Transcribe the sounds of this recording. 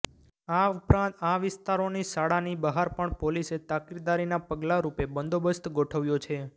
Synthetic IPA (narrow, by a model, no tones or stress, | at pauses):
aupɾãaʋɪst̪aɾonisaɽanibəɦaɾpəɳpoliset̪akiɾd̪aɾinapəɡlaɾupebənd̪obəst̪ɡoʈʰəʋjot͡ʃʰe